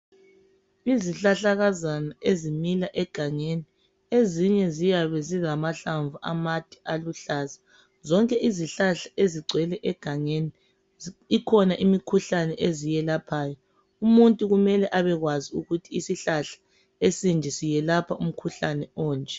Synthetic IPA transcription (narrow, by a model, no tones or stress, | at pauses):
iziɬaɬaɣazanaʔezimilaʔɛɡ̥ʱaŋeni | eziɲɛzijaβɛzizamaɬaɱvuʔa̰mad̥ʱʼi̥ʔaluɬaːza | zɔŋkʼɛʔiziɬaɬḁʔeziɡ͡ǀʱwɛlɛʔɛɡ̥ʱaŋeni | ikʰɔnaʔimikʰuɬanɛʔezijɛlapʰaːjɔ | umuntʼuɣumɛlɛʔaβɛɣwaziuɣutʰiːsiɬaɬḁ | esind͡ʒʱɛsijɛlapʰaum̩kʰuɬanɛɔːnd͡ʒʱʼɛ